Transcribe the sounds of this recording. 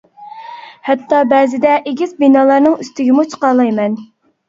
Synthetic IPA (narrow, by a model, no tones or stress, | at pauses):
hɛt̪ːɑbɛːzɪd̪ɛʔeɡʲizbinɑːlˠɑɾnɨŋyst̪ɪɡʲɪmut͡ʃʰə̥qɑlˠɑjmɛn